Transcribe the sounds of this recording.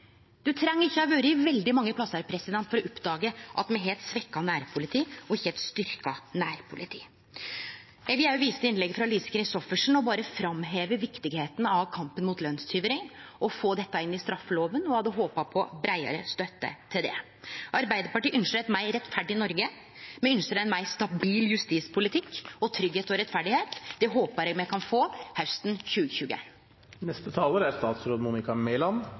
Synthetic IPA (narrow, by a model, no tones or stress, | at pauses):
d̪̥ʉt̪ʰɾɛŋːəɾɪçːəɔʋøːɾəɪʋɛld̪ɪmɑŋːəpʰlɑsəɾpʰɾɛsɪd̪ɛnt̪fɔɾɔʊpːd̪ɑːɡəʔɑt̪mɛɦeːlt̪sʋɛkːɑnæːɾpʰʊlɪt̪ʰiːɔɪçːəɛlt̪st̪ʏɾkɑnæːɾpʰʊlɪt̪ʰḭː | jæʋɪæɾjʊʋiːsət̪əɪnlɛɡfɾɑliːsə̥kɾɪsɔfəʂɳ̩ɔbɑːɾəfɾɑmɦeːʋəʋɪkt̪ɪɡheːt̪ənəɑʋkʰɑmpənmʊːt̪lœnst̪ʰyːʋəɾɪŋʔɔfoːd̪ɛt̪ːɑɪnːɪst̪ɾɑfːəloːʋənɔhɑd̪əɦoːpɑpʰɔbɾæɪə̰ɾə̰st̪œt̪ːə̰t̪ʰɪld̪ɛ̰ | ʔɑɾbæɪd̪əɾpɑʈiːʔʏnʃɾɛt̪mæɪɾɛt̪fæɖɪɪnɔɾɡə | mɛʏnsəɾɛnmæɪst̪ɑbiːljʉst̪iːspʰʊlɪt̪ʰɪkːɔt̪ʰɾʏɡheːt̪ɔɾɛt̪ːfæɖɪheːt̪d̪ɛɦoːpəɾɛɡmɛkʰɑnfoːhɑʉst̪nçʉːɡəçʉːɡə̰ | nɛst̪ət̪ʰɑːləɾæɾst̪ɑːt̪sɾoːd̪muːnɪkɑmɛɪlɑn